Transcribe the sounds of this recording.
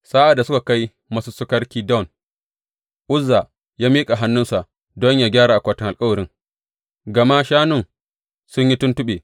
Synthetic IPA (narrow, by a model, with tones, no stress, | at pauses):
sa˦ʔa˨dːa˨sʊ˦ka˨ka˦j | ma˦su˦sʊ˦kɐ˦ɽkʲiː˦dɔ˦˨n | ʔʊ˦zːa˨ | jaː˦miː˦kʼa˨ɦa˦nːʊ˦nsa˨ʔ | dɔ˦ɲjaː˦ɡʲaː˦ɽaː˨ʔa˨kʷaː˨tɪ˦ŋʔlkʼɐ˦wɐ˨ɾɪ˦ŋ | ɡɐ˨ma˦ʃaː˦nʊ˦˨ŋ | sʊ˦ɲji˦tʊ˦ntʊ˦ɓeː˨